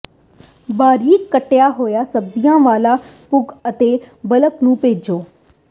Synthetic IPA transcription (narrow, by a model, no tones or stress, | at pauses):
baːɾiːkːəʈːejaːɦoːjaːsəbzijãːʋaːlaːpʊɡət̪eːbələknũːpeːd͡ʒoː